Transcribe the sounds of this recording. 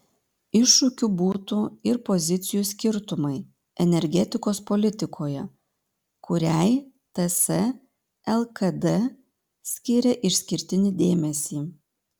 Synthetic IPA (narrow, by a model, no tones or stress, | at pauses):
ɪʃːʊkʲubuːt̪uɪɾpɔzʲɪt̪sʲɪjuːsʲkʲɪɾt̪ʊmɐɪ | ɛnʲɛɾʲɡʲɛt̪ʲɪkoːspɔlʲɪt̪ʲɪkʰoːjɛ̰ | kʊɾʲæɪ | t̪ɛsɛ | ɛlˠkɐd̪ɛ | sʲkʲɪɾʲɛʔɪʃʲsʲkʲɪɾʲt̪ʲɪnʲɪd̪ʲeːmʲɛsʲiː